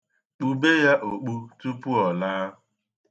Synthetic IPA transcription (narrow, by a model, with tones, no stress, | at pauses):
k͡pu˨be˦ja˦ʔo˨k͡pu˦tu˦pu˦ɔ˨laː˦